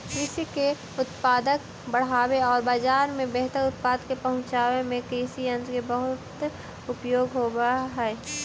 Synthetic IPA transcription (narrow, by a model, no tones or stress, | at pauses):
kɪsike | ʊt̪paːd̪ək | bəɽ̤aːweɔːɾbaːd͡ʒaːɾmẽbɛɦt̪əɾʊt̪̚paːd̪kepɐɦʊ̃ɲt͡ʃaːwemẽkisiə̃nd̪kebəɦʊt̪ | ʊpjoːɡɦoːɡaɦɛː